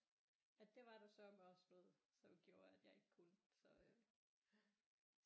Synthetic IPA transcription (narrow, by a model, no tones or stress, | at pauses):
æd̥e̝ʋɑ̈ɾ̥ɑsɒmɒ̽snɔ̽ːð̩ˠsɒ̽mɡ̥jo̝ːɐæd̥jɑ̈ɪe̝ɡ̥ə̥kʰunsɒ̽